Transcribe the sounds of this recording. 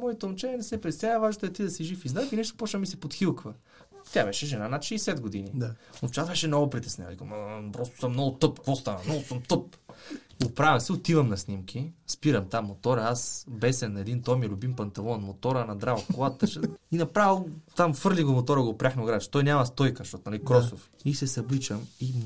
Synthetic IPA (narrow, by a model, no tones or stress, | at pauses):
mɔit̪ɐlˠnt͡ʃɛniɛnɛsɛpɾɛst̪ʲaɛvaʒnot̪oɛt̪id̪ɐsiʒifizd̪akinɛʃt̪o̥pɔt͡ʃnəmisɛpot̪xilˠkvə | t̪ʲabɛʃɛʒɛnanɐt̪ʃɛːsɛd̪ɡod̪ininoft͡ʃat̪bɛʃɛnɔɡʊpɾit̪ɛ̥snʲa̰ikomapɾɔst̪o̥səmnɔɡʊt̪ɤpkvɔst̪anɐnɔɡʊsəmt̪ɤp | opɾavɐmsɛot̪ivɐmnɐsnimkʰʲispiɾɐmt̪amːot̪ɔɾɐasbɛsɛnːɐɛd̪int̪ɔjmilʲʊbimpɐnt̪ɐvɔnmot̪ɔɾɐnɐd̪ɾavk̪olˠat̪ːəʃəinɐpɾavɛlˠt̪amfɤɾlʲiɡomot̪ɔɾəɡopɾʲaxnɐɡɾat͡ʃɛ̥t̪ɔjnʲamɐst̪ɔjkəʃt̪ɔt̪ʊnɐlikɾɔsof | isɛsɐblit͡ʃəmi